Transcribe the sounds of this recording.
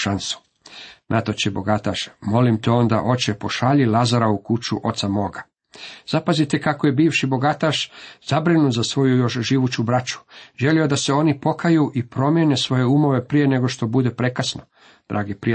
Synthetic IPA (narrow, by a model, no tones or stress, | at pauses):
ʃansu̥ | nʔat̪ot͡ɕebo̞ɡat̪aʃmo̞limt̪eo̞nd̪a̰ʔo̞t͡ɕepo̞ʃaːʎilazaɾaukut͡ʃuʔo̞̰t̪samo̞ːɡa | z̥apazit̪ekakojebiːʋʃibo̞ɡat̪aʃzabɾinut̪zasʋo̞jujo̞ʃʒiʋut͡ɕubɾat͡ʃu̥ʒe̞lio̞d̪ase̞o̞nipo̞kajuʔipɾo̞mje̞nesʋo̞je̞umo̞ʋe̞pɾije̞ne̞ɡo̞ʃt̪o̞bud̪e̞pɾe̞kasno | d̪̥ɾʔaːɡipɾi